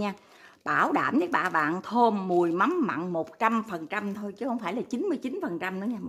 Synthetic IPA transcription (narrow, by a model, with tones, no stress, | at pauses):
ɲaː˧ | ɓaː˧˩wɗa̰ː˧˩mɲɨ˨˦˥ɓa̰ː˧˨˩ɓa̰ː˧˨nt̪ʰo˧mːɨ˨˩əjma˨˦mːa̰˧˨nmo˨˩t̚t͡ɕa˧mfə˨˩nt͡ɕa˧mt̪ʰo˧jt͡ɕɨ˨˦hə˧wŋ͡mfaː˧˩jlaː˨˩t͡ɕi˨˦nmɨ˧əjt͡ɕi˨˦nfə˨˩nt͡ɕa˧mɗɨ˨˦ɲaː˧